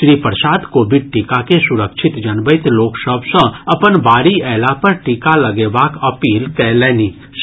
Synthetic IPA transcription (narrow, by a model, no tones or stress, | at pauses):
ʃɾiːpəɾsaːd̪koːbɪɖ̚ʈikakesʊɾəkʃʰɪt̪d͡ʒɐnʋəɪt̪loːksəbsə̃ɐpənbaːɾiɛːlapɐɾʈikalɐɡeːʋaːkɐpiːlkɛːlɛːni | ʃ